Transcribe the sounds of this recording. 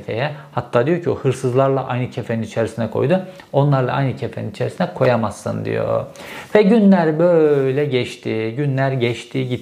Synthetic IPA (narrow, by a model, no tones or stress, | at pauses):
fḛjɛhat̪ʰːaːd̪ijo̞cʰiohɯɾsɯzlˠaɾlˠa̰ʔajnɯcʰefeninit͡ʃʰeɾisinɛkʰo̞̰jd̪u | o̞nlˠaɾlˠa̰a̰jnɯcʰefeninit͡ʃʰeɾisinɛkʰo̞jamasːɯ̰nd̪ḭjo̰vɛɟynlʲæɾbøjlʲɛɟɛʃt̪ʰiɟynlʲæɾɟɛʃt̪ʰiɟi